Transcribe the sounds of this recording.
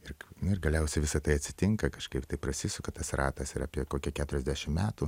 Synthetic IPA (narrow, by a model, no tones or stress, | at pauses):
ɪrnʊɪrɡɐlʲɛʊsʲɛɪʋʲɪsɐt̪ɐɪɐt̪ʲsʲɪt̪ʲɪŋkɐkɐʃkɐɪpt̪ɐɪpɾɐsʲɪsʲʊkɐt̪ɐsrɑːt̪ɐsɪɾɑ̰ːpʲiɛkoːkʲɛkʲæːt̪ʊɾʲɛzʲd̪ʲæʃʲɪmmʲæːt̪u